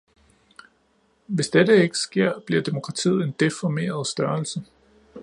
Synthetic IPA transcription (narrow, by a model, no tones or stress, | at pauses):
ʋe̝sd̥edəe̝ɡ̥ə̥sɡ̥e̝ɐ̰b̥liɐd̥e̝mo̝kʰʁɑ̈t͡sʰḭð̰̩ˠe̝nd̥e̝fɒme̝̰ːɐð̞ˠsd̥ɶɐlsə